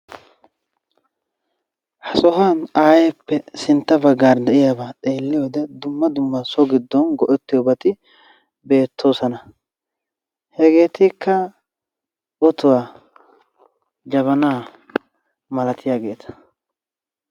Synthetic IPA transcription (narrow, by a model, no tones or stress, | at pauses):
hɐsɔɦanaːjɛpːɛsɪnt̪ːɐbɐɡaːɾd̪ɛʔɪjaːbaːtʼe̞ːlːɪjoːd̪ɛd̪ʊmːɐd̪ʊmːɐsɔɡɪd̪ːɔnɡɔʔɛt̪ːɪjɔbɐt̪ɪ | be̞ːt̪ʰːo̞ːsɐnɐ | hɛɡe̞ːt̪ɪkːɐ | ɔt̪ʊwaː | d͡ʒɐβɐnaː | mɐlɐt̪ʰɪjaːɡe̞ːt̪ʰɐ̥